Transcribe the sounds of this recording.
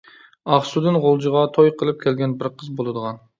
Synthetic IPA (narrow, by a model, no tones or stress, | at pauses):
ɑχsud̪ɨnʁolˠd͡ʒɨʁɑt̪ʰojqʰəlˠɨp̚kʲʰɛlɡʲɛnbɪɾqʰəzbolˠɨd̪əʁɑn